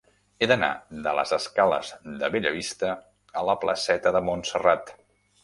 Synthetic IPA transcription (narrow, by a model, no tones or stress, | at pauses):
eðəna̰ðələ̰zəskalə̰zðəβeʎəβist̪ə | ələplə̰sɛt̪əðəmunsərat̪